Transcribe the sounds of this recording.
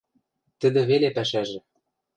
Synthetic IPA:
t̪ə̆d̪ĕβelepæʃæʒĕ

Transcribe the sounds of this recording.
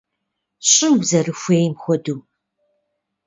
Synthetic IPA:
ɕʼɪmwzɐrɨxʷeːjmxʷɔduːm

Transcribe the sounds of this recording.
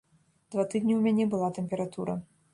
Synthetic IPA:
d̪̥vat̪ɨd̪ʲnʲiwmʲanʲɛbɨlˠat̪ɛmʲpʲɛɾat̪uɾɐ̰

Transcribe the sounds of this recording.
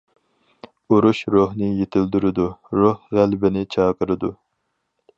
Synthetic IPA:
uɾuʃɾohnɨjet̪ʰɪld̪yɾɪd̪uɾohʁælbɪnɪt͡ʃʰɑːqəɾɨd̪u

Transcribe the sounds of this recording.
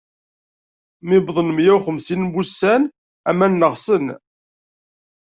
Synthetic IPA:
mɪbðˤənmjæwχəmsinbusæn | æmænːəʁsən

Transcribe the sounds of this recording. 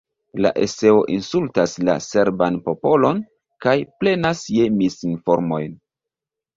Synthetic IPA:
la̰ʔe̞̰se̞o̞ʔinsultasla̰se̞ɾbanpo̞po̞lo̞n | kajple̞nasje̞misinfo̞ɾmo̞jn

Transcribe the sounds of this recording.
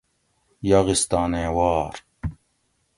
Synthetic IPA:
jɐɣist̪aːneːwɑːɾ

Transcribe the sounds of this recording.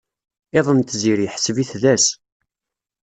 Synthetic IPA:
eðˤənt̪ziɾiħsəviθðæs

